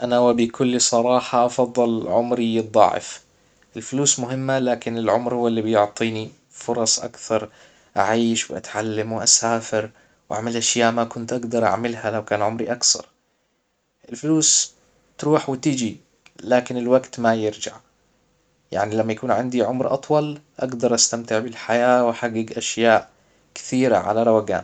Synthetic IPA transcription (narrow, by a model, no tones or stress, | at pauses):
ʔanawabikʰʊlːisˤɑɾˤɑːħɑʔɑfɑðˤːɨlʕʊmɾiɨd̪ˤːɑ̰ʕɪ̰f | ʔɪlfʊluːsmʊɦɪmːalaːkɪnɪlʕʊmɾhʊwːlːibɪjʊʕt̪ˤiːni | fʊɾˤɑsˤʔa̰kθɑɾˤ | ʔaʕiːʃwɪʔa̰t̪ʕalːamwʔasaːfɪɾ | wʔa̰ʕmalʔaʃjaːʔmakʊnt̪ʔaɡd̪ɑɾˤʔa̰ʕmɪlhalawkaːnʕʊmɾiʔakθɑ̰ɾˤ | ʔɪlfluːs | t̪ɾuːħwɪt̪ɪd͡ʒi | laːkɪnɪlwaɡt̪majɪɾd͡ʒa̰ʕ | ja̰ʕnilamːajakuːnʕɪnd̪iʕʊmɾʔɑ̰t̪ˤwɑlʔaɡd̪ɑɾˤʔast̪amt̪ɪʕbɪlħajaːwaħaɡːɪɡʔaʃjaːʔ | kɪ̥θiːɾa̰ʕa̰laɾˤɑwaɡa̰ːn